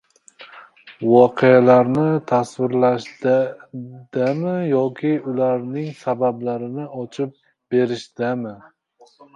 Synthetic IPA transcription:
vɒqʰealaɾnɪt̪ʰasvɪɾlaʃt̪ | d̪̥amɪjɒkʲʰɪʊlaɾnɪŋsabablaɾɪnɪɒt͡ʃʰɪp̚ | be̞ɾɪʃd̪amɪ

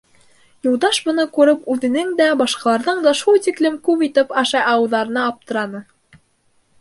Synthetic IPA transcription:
jŭlˠd̪ɑʃbɤ̆nɤkʉɾɘpʉðɘ̆nɘŋd̪æbɑʃqɑlˠɑɾðɤɴd̪ɑʃulˠt̪iklɘmkʉpit̪ɘpɑʃɑjɑwɤ̆ðɑɾɤ̆nɑːp̚t̪ɤ̆ɾɑnɤ

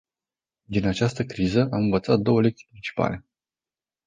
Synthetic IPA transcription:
d̪inat͡ʃast̪əkɾizəʔamɨnvət̪sat̪̚d̪o̞wəle̞k̚t̪i̥pɾint͡ʃi̥pa̰le̞

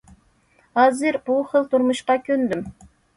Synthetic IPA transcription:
hɑːzɨɾbuχəlˠt̪ʰuɾmuʃqɑkʲʰønd̪ym

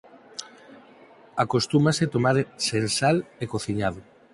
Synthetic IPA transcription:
akost̪umaset̪omaɾsensalekoθiɲaðʊ

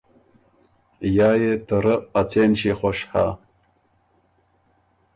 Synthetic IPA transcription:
jaːjetʰɨɾɨat͡sʰeːnʃiːχʷaʂħa̰

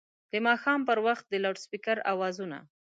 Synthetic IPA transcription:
d̪̥əmɑxɑmpəɾwaxt̪̚d̪əlaʈspikaɾa̰wɑzuna̰

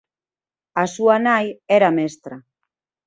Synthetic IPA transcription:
asuanajɛɾamɛst̪ɾa

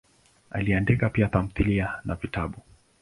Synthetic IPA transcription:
a̰liandikapiat̪am̩θilianavitaɓu

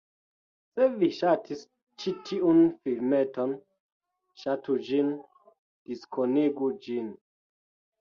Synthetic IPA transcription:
seviʃatʰis | t͡ʃitʰiunfilmeton | ʃatud͡ʒin | d̥iskʰoneɡud͡ʒin

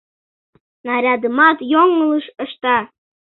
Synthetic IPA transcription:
nɑɾʲɑd̪əmɑt̪joŋələʃə̆ʃt̪ɑ

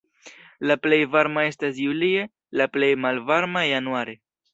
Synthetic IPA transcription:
laple̞jvaɾmae̞stas̬julie | laple̞jmalvaɾmajanuaɾe̞

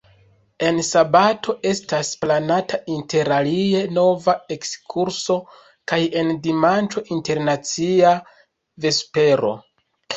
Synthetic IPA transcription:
e̞nsabatʰo̞ʔe̞stasplanatʰaʔinte̞ɾalie̞no̞vae̞kskʰuɾso̞ | kaje̞ndimant͡ʃo̞ʔinte̞ɾnat͡sia | ve̞spe̞ɾo̞̰

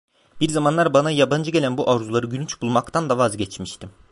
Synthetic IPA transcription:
biɾzamanlˠaɾbanajaband͡ʒɯɟelʲænbuʔavzulˠaɾɯɟylʲyt͡ʃbulˠmakt̪ʰand̪avazɟɛt͡ʃmiʃt̪im

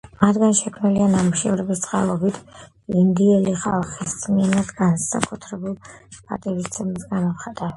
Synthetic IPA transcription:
mad̪ɡanʃɛkʰmnilianamuʃɛɾɛbist̪sʼqʼa̰lˠɔbit̪ʰ | ind̪iɛliχalˠχissʼmiɛnad̪ɡansa̰kʼut̪ʰɾɛbulˠpʼa̰t̪ʼiɾist̪sʰɛmsɡamɔχad̪a

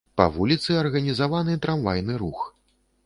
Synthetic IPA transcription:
pɐ̰vulʲit̪sɨɐrɣɐnʲizavanɨt̪ɾamvajnɨɾux

